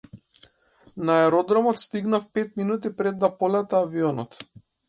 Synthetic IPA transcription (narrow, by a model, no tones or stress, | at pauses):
naɛɾɔd̪ɾɔmɔt̪st̪iɡnafpɛt̪minut̪̬ipɾɛd̪ːapɔlɛt̪aːviɔnɔt̪